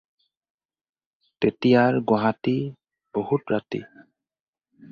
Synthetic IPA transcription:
tetijaɹɡɔɦati | b̥ohutɹatḭ

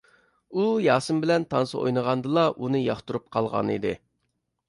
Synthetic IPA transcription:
ujɑːsɨmbɪlɛnt̪ʰɑnsɨʔo̰jnəʁɑnd̪ɨlˠɑʔunɨjɑχt̪uɾup̚qʰɑlˠʁɑ̰nḭd̪ɪ

